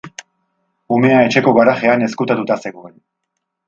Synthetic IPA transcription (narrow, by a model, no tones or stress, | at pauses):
ume̞ae̞t͡ʃe̞ko̞ɣaɾaxe̞ane̞skut̪at̪ut̪ase̞ɣoen